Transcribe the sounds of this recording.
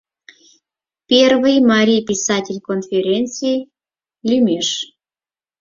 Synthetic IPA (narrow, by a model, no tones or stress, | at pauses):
pʲervɨjmɑɾʲijpʲisɑtʲelʲkonfʲeɾʲent͡sɨjj | lʲimeʃ